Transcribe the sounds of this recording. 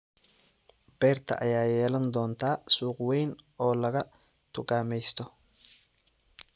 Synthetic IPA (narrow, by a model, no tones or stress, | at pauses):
bɛːrt̪ʰɐ̰ʔɐjaːjɛːlɐnd̪ɔːnt̪ʰaːsuːqwɛjnʔɔːlɐɣɐ | t̪ʰʊkaːmɛjst̪ʰɔ